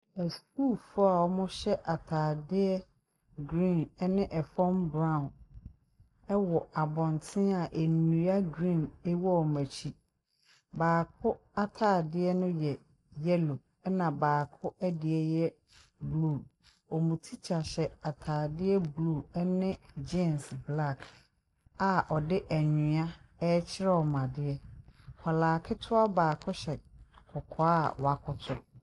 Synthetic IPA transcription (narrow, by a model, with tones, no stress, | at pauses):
ɛ˨skuː˦˨lfʊ˦a˨wɔ˦mʊ̃˦ɕɛ˦ʔa˨tʰaː˨dɪ˦ɛ˦ | ɡɾĩ˦˨n˦nɪ̃˦ʔɛ˨fɔ̃˦mbɾã˦˨n | ɛ˦wɔ˨ʔa˨bɔ̃˨ntʰɪ̃˦a˨ʔe˨nũ˨˦a˦ɡɾĩ˦˨ne˦wɔ˦ɔ˨mæ˨t͡ɕʰi˦ | baː˨kʰʊ˦ | a˦tʰaː˦˨dɪ˦ɛ˦nʊ̃˦jɛ˨ | jɛ˦lo˨ | ɛ˦nã˨baː˨kʰʊ˦ʔæ˦dɪ˨ɛ˦jɛ˦ | blu˦˨ | ɔ˨mũ˨tʰi˦t͡ɕʰa˨ɕɛ˨a˨tʰaː˨dɪ˦ɛ˦blu˦˨ɛ˦nɪ̃˦d͡ʑẽ˦˨nsbla˦˨k | a˨ʔɔ˨dɪ˦ʔæ˨ɲĩ˨ã˦ɛ˦t͡ɕʰɪ˦ɾɛ˦ɔ˨mã˨dɪ˦ɛ˦kʰɔ˨laː˨kʰɪ˦tʰʊ˦a˦baː˨kʰʊ˦ɕɛ˨kʰɔ˨kʰɔ˨a˦˨wa˨kʰʊ˦tʰʊ˦